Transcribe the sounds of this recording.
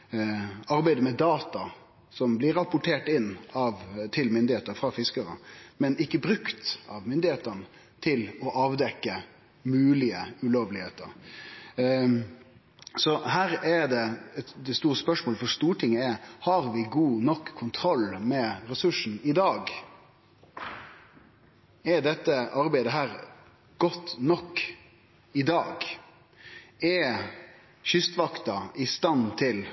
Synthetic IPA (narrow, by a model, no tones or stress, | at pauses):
ɑɾbæɪd̪əmɛd̪ɑːt̪ɑ | sɔmblɪɾɑpʊʈʰeːʈɪnːɑʋt̪ʰɪlmʏnd̪ɪheːt̪əɾfɾɑfɪskəɾə̰mɛnɪkːəbɾʉkt̪ɑʋmʏnd̪ɪheːt̪ənə | t̪ʰɪlɔʔɑːʋd̪ɛkːə | mʉːlɪəʉloːʋlɪheːt̪ə̰ɾ | sɔhæːɾɛd̪ɛɛt̪d̪ɛst̪uːɾəspœʂmoːləfɔʂt̪uːʈʰɪŋːəɛhɑɾʋɪɡuːnɔkʰːʊnt̪ʰɾɔlmɛɾɛsʉʂn̩ɪd̪ɑːɡ | ɛɖɛt̪ːəʔɑɾbæɪd̪əɦæːɾ | ɡ̥ɔt̪ːnɔkː | ɪd̪ɑːɡ | ɛ | ɕʏst̪ʋɑkt̪ɑʔɪst̪ɑnt̪ʰɪl